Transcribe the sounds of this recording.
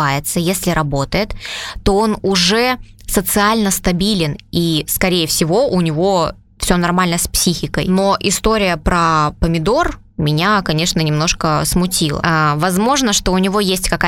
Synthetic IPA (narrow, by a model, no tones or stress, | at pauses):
ajɪt̪səjesʲlʲɪɾɐbo̞t̪əjɪt̪ːo̞o̞nʊʐɛsət̪sɨalʲnəst̪ɐbʲilʲɪniskɐɾʲejəfsʲɪvo̞ʔʊnʲɪvo̞ | fsʲonɐrmalʲnəsʲpsʲixʲɪkəjno̞ʔɪst̪o̞ɾʲɪjəpɾəpəmʲɪd̪o̞r | mʲɪnʲakɐnʲe̞ʂnənʲɪmnoʂkəsmʊtʲilˠə̰vɐzmo̞ʐnəʂt̪o̞ʊnʲɪvo̞jesʲtʲkɐka